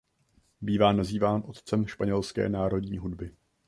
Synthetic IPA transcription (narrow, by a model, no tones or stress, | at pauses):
biːvaːnaziːvaːnʔo̞t̪t͡sɛmʃpaɲɛlskɛ̰ːnaːɾo̞dɲiːɦudbɪ